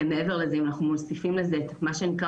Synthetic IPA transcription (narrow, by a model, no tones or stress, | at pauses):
meeveʁlezeimanaχnumosifimlezet̪maʃenikʁ